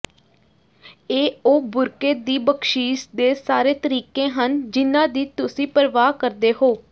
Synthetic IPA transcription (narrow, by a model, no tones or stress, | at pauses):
eːoːbʊɾkeːd̪iːbəkʃiːʃd̪eːsaːɾeːt̪əɾiːkẽːɦənd͡ʒɪnãːd̪iːt̪ʊsĩːpəɾʋaːkəɾd̪eːɦoː